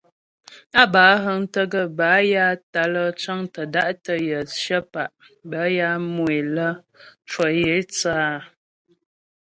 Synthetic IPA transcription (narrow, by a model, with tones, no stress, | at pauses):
a˦baː˨˦ɦə˦ŋtə˦ɡə˦ba˨˦ja˦ta˨lə˦t͡ʃə˦ŋtə˨da˦ʔtə˦jə˨ʃə˦pa˨ʔ | bə˨˦ja˦mwe˨lə˦ | t͡ʃwə˨je˨˦t͡saː˦